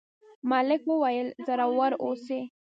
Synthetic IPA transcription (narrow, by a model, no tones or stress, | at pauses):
mɑlɪkwəwajəlzaɾawaɾose